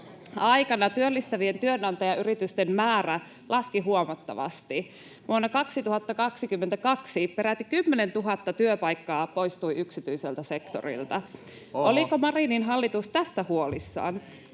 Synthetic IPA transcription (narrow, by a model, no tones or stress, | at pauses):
ɑjkɑnɑt̪yølːist̪æʋie̞nt̪yønɑnt̪ɑjɑʔyɾit̪yst̪emmæːræ | lʔɑskiɦuomɑt̪ːɑ̰ʋɑ̰st̪i | ʋuonːɑkɑksit̪uhɑt̪ːɑkɑksikymːent̪ækɑksipeɾæt̪ːikymːenent̪uɦɑt̪ːɑt̪yøpɑjkːɑːpo̞jst̪uiyksit̪yiselt̪æse̞kt̪o̰rḭlt̪ɑ | olikomɑrininɦɑlːit̪ust̪æst̪æhuolisːɑ̰ːn